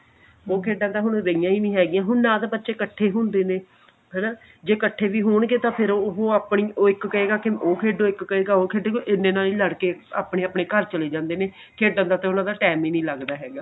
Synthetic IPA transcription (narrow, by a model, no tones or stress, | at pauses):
oːkʰeːɖãːd̪aːɦʊɳɾəijãːiːnĩːɦɛːɡijãːɦʊnnãːt̪eːbətːʃeːkəʈʰːeːɦʊ̃nd̪eːneː | ɦɛːnaː | d͡ʒeːkəʈʰːeːʋiːɦʊːɳɡeːt̪ãːpʰɪɾɦoːaːpɳiːoːɪkːəeːɡaːkɪoːkʰeːɖõːɪkːəeːɡaːoːkʰeːɖoːkoʔɪnːẽːnaːliːləɽkeːa̰ːpɳẽːaːpɳeːkəɾt͡ʃəleːd͡ʒãːnd̪eːneː | kʰeːɖãːd̪aːt̪ẽːʊnãːd̪aːʈɛːmiːnĩːləɡd̪aːɦɛːɡaː